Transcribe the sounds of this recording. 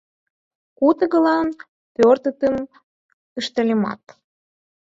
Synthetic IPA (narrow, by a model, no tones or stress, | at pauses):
kut̪əɣə̆lɑn | pørt̪ət̪əm | əʃt̪ə̆lʲemɑ̰t̪